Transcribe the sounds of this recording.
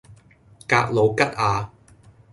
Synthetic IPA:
ka̰ː˧k̚lo˨˧wkɐ˥t̚aː˨˧

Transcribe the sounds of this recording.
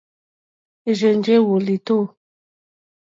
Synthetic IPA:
e˨ʒe˨n˦d͡ʒe˦wo˨li˨to˦˨

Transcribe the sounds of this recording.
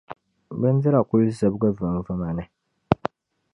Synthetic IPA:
bɨ˦n˦dɪ˦ɾa˨kʊ˦lzɨ˨bɡa˦va˨m˦va˦ma˨nɨ˨

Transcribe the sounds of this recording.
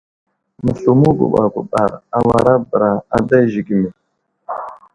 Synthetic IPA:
mə˨ɬu˨mu˦ɡʷṵ˨ɓa˨ɡʷu˨ɓa˨ɾa˨wa˨ɾa˦bɾa˨a˨da˦ʒi˨ɡi˨mi˨

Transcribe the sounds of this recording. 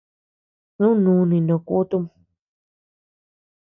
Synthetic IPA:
nũ˦nũː˨˧nĩ˨nõ˧˨ku˦t̪u˦˧˦m

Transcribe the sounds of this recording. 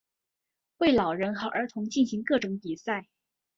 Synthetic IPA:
we˥˩ɪlɑ˨˩ʊɻə˧˥nxɑ˨˩ʊʔə˞˧˥t̪ʰʊ˧˥ŋt͡ɕi˥˩nɕi˧˥ŋkɤ˥˩ʈ͡ʂʊ˧˥ŋpi˨˩sa˥˩ɪ

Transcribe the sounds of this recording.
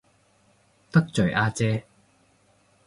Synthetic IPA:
t̪ɐ˥k̚t͡sɵ˨˩ɥʔaː˧t͡sɛː˧

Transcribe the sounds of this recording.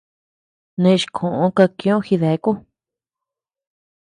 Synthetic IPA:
nẽ˧ʃkʰõ˨ʔõ˧˦ka˧kĩ˧˦õ˦xi˧ðe˨˦ku˦

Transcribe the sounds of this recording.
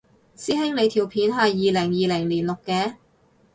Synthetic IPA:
siː˥hɪ˥ŋle˨˧jt̪ʰiː˨˩wpʰiː˨˧nɦɐ˨jːiː˨lɪ˨˩ŋjiː˨lɪ˨˩ŋliː˨˩nlʊ˨kːɛː˧

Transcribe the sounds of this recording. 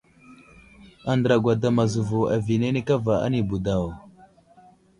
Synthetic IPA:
a˦˨ndə˨ɾa˨ɡʷa˨da˨ma˨zu˨vu˨a˨vi˨ne˦ne˦ka˦va˨a̰˦ni˨bu˨da˨wa˨

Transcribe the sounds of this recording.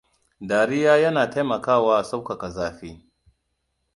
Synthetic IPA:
daː˨ɾɪ˦jaː˦jɐ˦naː˨ta˦jmɐ˨kaː˦˨waː˦ʔa˨sa˦wka˨ka˨zaː˦ɸiː˦

